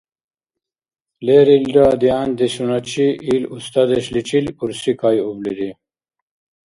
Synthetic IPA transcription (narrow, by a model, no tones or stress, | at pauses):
leɾildad̪iaːnd̪eɕunat͡ɕiʔilust̪ad̪eɕlit͡ɕiluɾsikajubliɾi